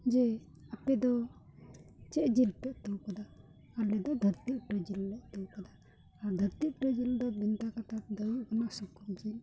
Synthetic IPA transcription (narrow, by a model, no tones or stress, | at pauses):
d͡ʒɛ | apɛd̪ɔ | t͡ʃɛʔd͡ʒilpɛʔ̚t̪uwkad̪aː | ɾlɛd̪ɔd̪ʱəɾt̪iʔpɾɛd͡ʒilːɛʔt̪ɔwkad̪aː | ɾd̪ʱəɾt̪iʔpɾɛd͡ʒild̪ɔbint̪akat̪ad̪əjuʔkanasukumd͡ʒil